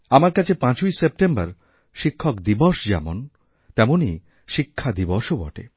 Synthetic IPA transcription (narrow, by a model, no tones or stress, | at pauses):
amaɾkat͡ɕʰepãt͡ɕojsep̚ʈembaɾ | ʃikʰːɔkd̪ibɔʃd͡ʑɛ̰mon | t̪ɛmoni | ʃikʰːad̪ibɔʃobɔ̰ʈḛ